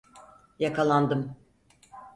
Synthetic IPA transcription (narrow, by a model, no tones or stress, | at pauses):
jakʰalˠand̪ɯm